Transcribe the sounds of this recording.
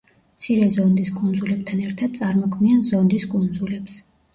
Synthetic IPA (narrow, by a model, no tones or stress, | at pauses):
mt̪sʰiɾɛzɔnd̪iskʼund̪zulɛb̚t̪ʰanɛɾt̪ʰad̪̥̚t̪sʼaɾmɔkʰmianzɔnd̪iskʼund̪zulɛps